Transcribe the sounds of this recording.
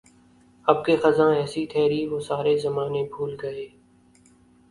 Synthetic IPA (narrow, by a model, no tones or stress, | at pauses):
ɐb̚kexɐzãɛːsit̪ʰɛːɾiʋoːsaːɾezɐmaːnebʱuːlɡɐeː